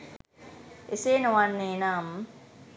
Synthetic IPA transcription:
eseːnowanːeːnam

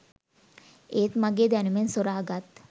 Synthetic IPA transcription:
eːt̪maɡeːd̪anumensoɾaːɡat̪

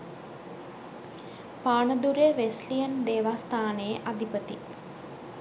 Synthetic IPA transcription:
paːɳəd̪uɾeʋeslijənd̪eːʋaːst̪ʰaːnəjeʔad̪ʱipət̪i

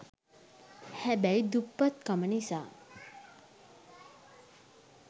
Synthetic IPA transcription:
hɛbɛjd̪upːət̪̚kəməɳisa̰

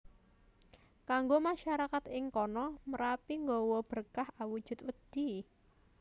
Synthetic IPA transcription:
kaŋɡomaʃaɾakat̪ɪŋkɔnɔməɾapiŋɡɔwɔb̥ərkahawud̥ʒ̥ʊ̤t̪wəd̪̥i̤

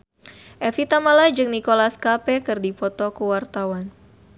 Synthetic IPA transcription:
ʔɛfit̪amalad͡ʒɨŋnikolaskapɛkɨrdipɔt̪ɔkəwart̪awan

